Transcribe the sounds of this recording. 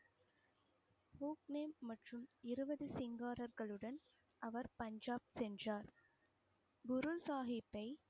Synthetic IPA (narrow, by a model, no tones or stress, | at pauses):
huːkneːmːɐʈrɯmɪɾɯbɐðɯsɪŋɡaːɾɐɾɣɐɭɯɽɐn | ʔɐʋɐɾpɐɲd͡ʒaːb̚sɛndraːɾ | bʊɾɯsaːɦɪpːɐɪ